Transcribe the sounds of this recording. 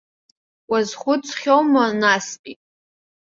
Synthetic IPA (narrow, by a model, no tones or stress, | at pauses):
wazχʷʊt͡sʰʼχʲowmanaspʼitʼ